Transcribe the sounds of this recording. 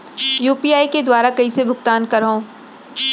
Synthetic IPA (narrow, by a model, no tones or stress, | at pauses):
juːpiːaːiked̪waːɾakɐisebʱʊkt̪aːnkɐɾɦõː